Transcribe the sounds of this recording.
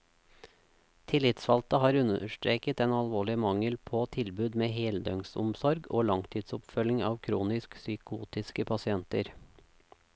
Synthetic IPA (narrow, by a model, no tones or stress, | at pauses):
t̪ʰɪlɪt̪sfɑlt̪əhɑːɾʉnəʃʈɾeːkət̪eːnɑlʋoːɭɪmɑŋəlpʰoːt̪ʰɪlbʉːd̪meːheːld̪œŋsʊ̰msɔɾɡoːlɑŋt̪ʰiːd̪sʊpfœlɪŋɑ̰ːʋkʰɾuːnɪsksʏkuːt̪ɪskəpʰɑsɪɛnt̪ə̰ɾ